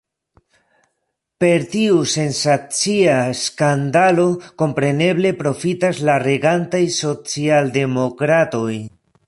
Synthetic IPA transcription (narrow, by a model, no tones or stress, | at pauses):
pe̞ɾtiuse̞nsat͡siaskandalo̞ko̞mpɾe̞ne̞ble̞pɾo̞fitaslaɾe̞ɡantajso̞t͡sialde̞mo̞kɾato̞j